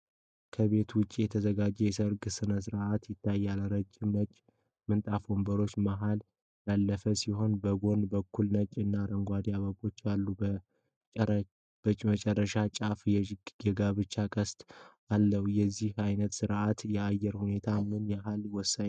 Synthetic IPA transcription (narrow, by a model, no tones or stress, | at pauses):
kʰəβe̞t̪wʊt͡ʃʼːijɛt̪ʰəzəɡad͡ʒɛjɛsəɾɡɨsɨnəs̬ɨɾʔat̪jɪt̪ʰːajːalɾəd͡ʒːɪmət͡ʃʼː | mɨnt̪ʼafombəɾo̞t͡ʃːmaɦal | jalːəfəsiho̞nbəɡo̞nbəkʰːulnət͡ʃʼːɨnːaɾəŋɡʷad̪iaβəbo̞t͡ʃːjalːu | b̥ət͡ʃʼmət͡ʃʼɛrːəʃat͡ʃʼafjɛɡɡəɡaβɨt͡ʃːakʼəst̪ʼʔalːəhjɛzːihajnət̪sɨɾʔat̪jɛajːɛɾhune̞t̪ʰamɨnjɛɦalwɔsːaɲ